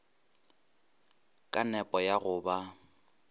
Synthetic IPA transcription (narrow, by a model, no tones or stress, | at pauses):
kʼanɛpʼɔjaɣʊba